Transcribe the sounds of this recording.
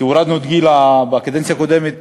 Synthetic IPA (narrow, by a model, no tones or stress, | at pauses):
iuɾad̪nod̪ɡilabakad̪ɛnt͡sjakod̪ɛmet̪